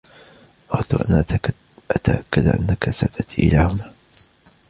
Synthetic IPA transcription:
ʔɑhɑt̪uʔan | ʔat̪aʔakːad̪ʔa̰nːakasat̪ʰat̪ʰiːʔɪ̰laːhʊnaː

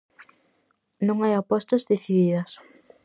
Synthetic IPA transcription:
nõŋajapɔst̪ɐzðeθiðiðɐs

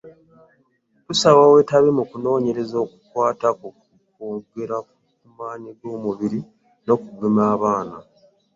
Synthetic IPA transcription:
tusaβawe̞ːtaβimukuno̞ːɲe̞ɾe̞zo̞ːku̥kwaːtako | koːɡe̞ɾak | kumaːniɡo̞ːmuβiɾi | no̞kuɡemaːβaːna̰

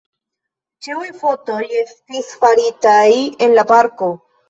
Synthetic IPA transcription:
t͡ʃeujfo̞to̞je̞stisfaɾitaje̞nlapaɾko̞

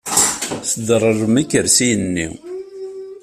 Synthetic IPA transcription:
sd̪ərˤərˤəmækːəɾsijənːḭ

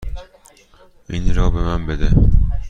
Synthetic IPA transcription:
inɾɒːbemænbed̪e

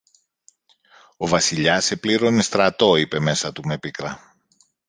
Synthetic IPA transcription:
o̞vɐsiʎɐse̞pliɾo̞nest̪ɾɐt̪o̞ipe̞me̞sɐt̪ume̞pikɾɐ

